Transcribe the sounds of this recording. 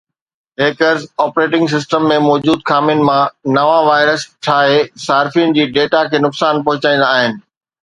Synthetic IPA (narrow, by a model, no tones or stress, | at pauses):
ɦeːkəɾzɔːpɾeːʈɪ̃ŋɡs̬ɪs̬ʈəmːẽmɔːd͡ʑuːd̪̚kʰaːmijʊnɪ̆mãnɐʋaʋaːɪɾəst͡ɕʰaːɦesaːɾfijʊnɪ̆d͡ʑiːɖeːʈakʰeːnʊksaːnpɐɦʊt͡ɕaːĩn̆d̪aːɦɪnɪ̆